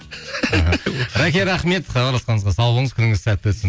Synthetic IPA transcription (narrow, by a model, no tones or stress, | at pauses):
ɑɦəɾækʲe̞ɾɑχme̞t̪χɑqʰɑɾlˠɑsqɑnəzʁɑsɑlˠbələɴəzkʲʰʏnɪŋɪzsæt̪ːɪwɵt̪sɪ